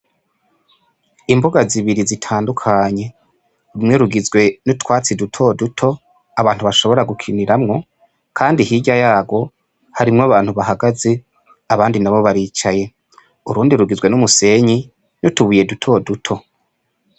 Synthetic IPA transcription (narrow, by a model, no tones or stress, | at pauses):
imbuɡaziβiɾizitʰaːndukʰaɲe̞ | ɾumŋe̞ɾuɡizɡwe̞nutwaːt͡sidutʰo̞dutʰo̞ | aβaːn̥huβaʃo̞βo̞ɾaɡukʰiniɾamŋo̞ | kʰaːndihiɟajaːɡo̞ | haɾimŋaβaːnhuβaɦaɡaze̞ | aβaːndinaβo̞βaɾiːt͡ʃaje̞ | uɾuːndiɾuɡizɡwe̞numuse̞ɲi | nutuβuje̞dutʰo̞dutʰo̞